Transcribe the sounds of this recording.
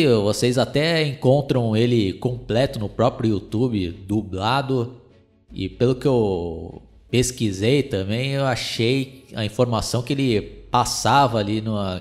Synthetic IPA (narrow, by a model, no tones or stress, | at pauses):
vosejzat̪ɛẽkõnt̪ɾɐ̃w̃elɪkõplɛt̪ʊnʊpɾɔpɾjʊut̪ubɪd̪ublad̪ʊ | ɪ̰pelʊkɪew | peskizejt̪ɐ̃mbẽj̃ewaʃejɐ̰ĩfoɾmasɐ̃w̃kɪelɪpasavɐalinũɐ